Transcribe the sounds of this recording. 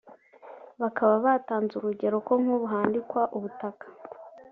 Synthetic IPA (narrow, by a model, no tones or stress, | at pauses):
βakaβaβataːnzuɾuɟe̞ɾo̞ko̞ŋ̥huβuɦaːndikwaʔuβutakḁ